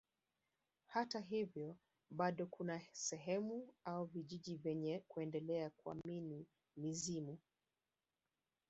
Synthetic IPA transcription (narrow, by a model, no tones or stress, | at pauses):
hataɦivjɔ | ɓaɗɔkʰunasɛɦɛmuauviʄiʄivjɛɲɛkuɛndɛlɛakua̰mini | mizimu